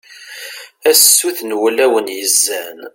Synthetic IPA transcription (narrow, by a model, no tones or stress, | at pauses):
æsːuθnwælæwənjəzːæn